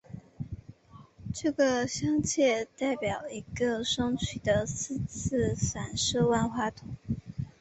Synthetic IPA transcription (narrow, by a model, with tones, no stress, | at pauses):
ʈ͡ʂɤ˥˩ɡə˩ɕjɑ˥ŋt͡ɕʰjɛ˥˧t̪a˥˩ɪpjɑ˨˩ʊi˧˥ɡə˧ʂɤ˥ŋt͡ɕʰy˨˩d̪ə˦sʰɹ̩˥˧t͡s̩ʰ˥˩sa˨˩nʂɤ˥˧wa˥˧nxwa˥˩t̪ʰʊ˧˥˦ŋ